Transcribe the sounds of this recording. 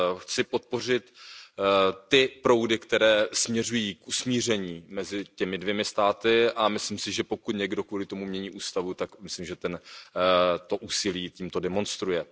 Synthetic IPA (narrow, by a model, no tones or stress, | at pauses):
xt͡sɪpo̞t̪̚po̞r̝ɪt̪ | t̪ɪpɾo̞wdɪkt̪ɛɾɛːsmɲɛrujiːkʔusmiːr̝ɛɲiːmɛzɪcɛmɪdvjɛmɪst̪aːt̪ɪʔamɪslimsɪʒɛpo̞kut̪ɲɛɡdo̞kvuːlɪt̪omumɲɛɲiːʔuːst̪avut̪akmɪslimʒɛt̪ɛn | t̪o̞ʔuːsɪliːciːmt̪o̞dɛmo̞nst̪ɾujɛ